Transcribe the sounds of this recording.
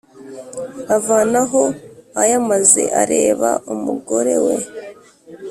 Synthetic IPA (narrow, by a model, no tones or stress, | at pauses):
avaːnaɦoajamaze̞̰ʔaɾeːβa̰ʔumuɡo̞ɾe̞̰wḛ